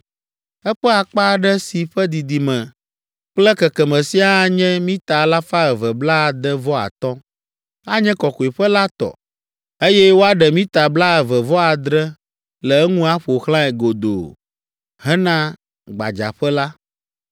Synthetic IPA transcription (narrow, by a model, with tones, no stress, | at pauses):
ɛ˦ɸɛ˦a˨k͡pa˦ɖɛ˦si˨ɸɛ˦d̪i˨d̪i˨mɛ̃˨ | k͡plɛ˦kɛ˨kɛ˨mɛ̃˨si˦a˦ɲɛ̃˦mĩ˦t̪a˨la˦fa˦ɛ˨vɛ˨bla˦˨d̪ɛ˦vɔ˦a̰˨t̪ɔ˦ | a˦ɲɛ̃˦kɔ˨ko˨i˨ɸə˦la˦t̪ɔ̰˨ | e˦jɛ˦wo˦a˦ɖɛ˨mĩ˦t̪a˨bla˦ɛ˨vɛ˨vɔ˦a˨d̪ɾɛ˦ | lɛ˨ɛ˦ŋũ˦a˦ɸo˨xlã˦ɛ˨ɡo˨d̪o̰˨ | ɦɛ˦nã˦ | ɡ͡ba̰˨d͡ʒa̰˨ɸɛ˦la˦